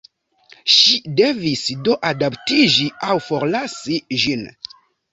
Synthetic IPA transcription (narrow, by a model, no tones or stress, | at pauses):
ʃide̞visdo̞ʔadaptid͡ʒiawfo̞ɾlasiʒin